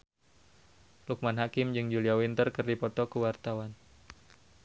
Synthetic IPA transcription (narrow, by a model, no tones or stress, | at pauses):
luk̚manɦakɪmd͡ʒɨŋd͡ʒuliawint̪ərkɨrdipɔt̪ɔkəwart̪awan